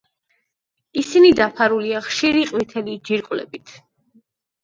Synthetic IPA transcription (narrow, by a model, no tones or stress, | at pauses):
isinid̪apʰaɾuliaχʃiɾiqʼwit̪ʰɛlid͡ʒiɾkʼwlɛ̰bit̪ʰ